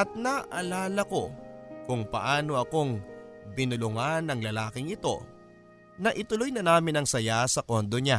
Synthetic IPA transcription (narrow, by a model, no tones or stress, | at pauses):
ʔɐt̪̚nɐʔɐlaːlɐko̞kʊŋpɐ̰ʔaːno̞ʔɐko̞ŋbɪnʊlʊŋanɐŋlɐlaːkɪŋɪt̪o̞̰ | nɐʔɪt̪ʊlojnɐnaːmɪnɐŋsɐjasɐko̞nd̪o̞ɲa